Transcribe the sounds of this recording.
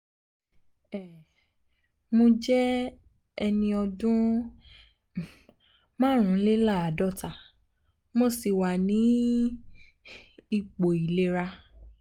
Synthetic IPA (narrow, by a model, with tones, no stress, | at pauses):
ɛ˨ | mo˧d͡ʒɛ˦ | ɛ˧nĩ˧ɔ˧dũ˦ | mãː˦ɾ̃ũ˨˦le˦la˦˨a˨dɔ˦˨ta˨ | mo˦si˨wa˨nĩ˨˦ | i˦˨k͡po˨i˨le˦ɾa˧